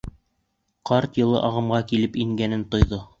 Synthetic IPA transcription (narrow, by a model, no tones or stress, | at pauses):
qɑɾt̪jɤ̆lˠɤ̰ʔɑʁɤ̆mʁɑkilɘpiŋɡænɘnt̪ŏjðo